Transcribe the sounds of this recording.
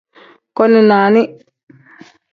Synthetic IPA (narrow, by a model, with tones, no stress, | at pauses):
kɔ˦ni˨naː˨ni˦